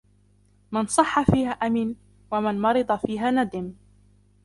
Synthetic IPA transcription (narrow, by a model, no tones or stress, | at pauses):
mansˤɑħːafiːhaːʔamiːn | wamanmɑɾɨd̪ˤɑfiːɦaːnad̪ɪm